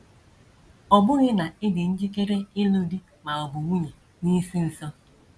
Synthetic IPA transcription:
ɔ˨bʊ˦ɣɪ˦na˨ɪ˦dɪ˨n̩˦d͡ʒi˦ke˦ɾe˦ɪ˦lu˦di˦ | ma˨ɔ˨bʊ˨ŋʷu˦ɲe˨ | ni˦si˦n̩˨sɔ˦

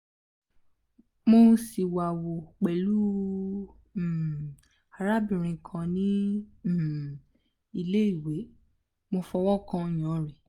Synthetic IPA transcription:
mo˧˦si˨wa˨wo˨k͡pɛ˨lu˦˨ | a˨ɾa˦bĩ˨ɾ̃ĩ˧kʰã˧nĩ˦˨ | i˧le˦i˦˨we˨˦ | mo˧fɔ˧wɔ˦kã˦j̃ɔ̃˨˦ɾi˨

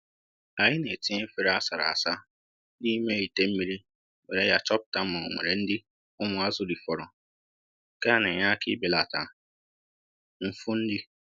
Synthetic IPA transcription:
a˨ɲɪ˦ne˨ti˦e˦fi˨ɾa˦sa˨ɾa̰˨a̰˨sa˦ | di˦me˦i˨te˦m̩˦mi˦ɾi˦ | ŋe˨ɾe˦ja˨t͡ʃɔ˦p̚ta˨m̩˦ma̰˨ŋʷḛ˨ɾe˨n̩˦dɪ˦ | ʊ˦mʊ˨a˦zʊ˦dɪ˨fɔ˨ɾɔ˨ | ka˦ne˨ɲa˦kɪ̰˦be˨la˨ta˨ | m̩˨fʊ˦n̩˦dɪ˦

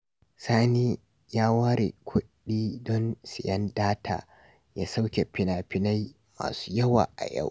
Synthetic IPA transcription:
saː˦niː˦ | jaː˦waː˦ɾḛ˨kʷʰʊ˦ɗiː˦dɔ˦nsɪ˨jɐ˦ndaː˦tʰa̰ː˨ | jaː˦sa˦wkʲe˨pɪ˨naː˨pɪ˦na˦j | ma̰ː˨su̥ː˦jɐ˦wa̰ː˨ʔa̰˨ja̰˦˨w

